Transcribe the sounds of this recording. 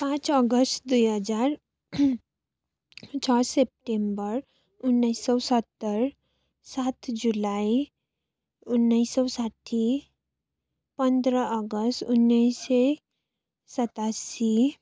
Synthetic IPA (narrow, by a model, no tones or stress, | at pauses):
pãt͡sɔɡəsʈd̪ujɦəd͡zaɾ | t͡ɕaɽsep̚ʈẽmbəɾ | unːəjsəwsət̪ːəɾ | sat̪d͡ʑulai | unːəsəwsaʈʰi | pənd̪ɾəʔəɡəsʈunːəjse | sət̪asi